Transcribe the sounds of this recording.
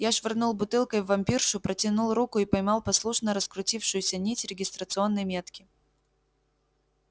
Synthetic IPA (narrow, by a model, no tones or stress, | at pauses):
jaʂvʲɪrnulˠbʊt̪ɨlˠkəjvːɐmʲpʲirʂʊpɾətʲɪnulˠɾukʊipɐjmɑlˠpɐslˠuʂnəɾəskɾʊtʲifʂʊjʊsʲənʲitʲɾʲɪɡʲɪst̪ɾət̪sɨo̞nːəjmʲet̪kʲɪ